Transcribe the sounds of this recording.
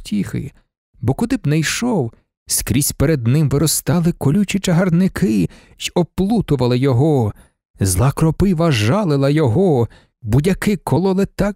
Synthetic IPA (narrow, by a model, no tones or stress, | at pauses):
tʲixɪ̰ | bɔkʊd̪ɪbnɐjʃɔw | skɾʲisʲpeɾed̪nɪmʋɪɾɔst̪ɑlˠɪkɔlʲut͡ʃʲit͡ʃɐɦɐrnɪkʰɪ | ʒɔplˠut̪ʊʋɐlˠɪjɔɦɔ | zlˠɑkɾɔpɪʋɐʒɑlˠɪlˠɐjɔɦɔ | budʲɐkɪkʰɔlˠɔlˠɪt̪ɑ